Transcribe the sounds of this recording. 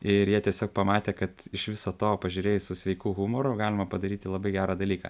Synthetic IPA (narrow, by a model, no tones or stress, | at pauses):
ɪɾjiɛt̪ʲiɛsʲoːk̚pɐmɑːt̪ʲeːkɐt̪ɪʃʋʲɪsoːt̪oːpɐʒʲʊɾʲeːjsʊsʲʋʲɛɪkuːɣumoːɾʊɡɑːlʲɪmɐpɐd̪ɐɾʲiːt̪ʲɪlˠɐbɐɪɡʲæːɾɑːd̪ɐlʲiːkɐ̰